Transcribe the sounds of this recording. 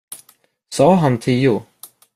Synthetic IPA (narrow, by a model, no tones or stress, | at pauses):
sɑːɦant̪ʰiːʊ